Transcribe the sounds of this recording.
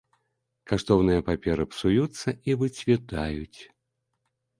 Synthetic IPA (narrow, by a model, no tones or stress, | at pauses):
kaʂt̪ɔwnɨjɐpapʲɛɾɨpsujut̪sːɐʔivɨt͡sʲvʲit̪ajut͡sʲ